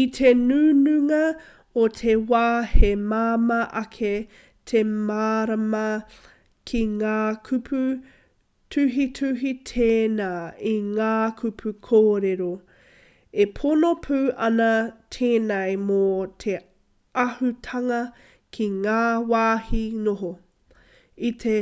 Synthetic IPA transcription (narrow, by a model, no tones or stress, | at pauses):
itʰenʉnʉŋɐ | otʰewaːhemaːmɐʔɐkʰe | tʰemaːɾɐmɐ | kʰiŋaːkʰʉpʰu | tʰʉɦitʰʉɦitʰeːnaːiŋaːkʰupʰukʰoːɾeɾo | epʰonopʰʉːʔɐnɐtʰeːnɐjmot̪ʰe | ɐhutʰɐŋɐ | kʰiŋaːwaːhinoɦo | itʰe